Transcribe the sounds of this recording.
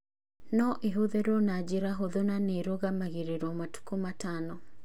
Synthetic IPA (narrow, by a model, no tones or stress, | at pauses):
nɔʔeɦoðeɾɔnad͡ʒeɾaɦoðonaneɾoɣamaɣeɾeɾɔmatu̥kumatanɔ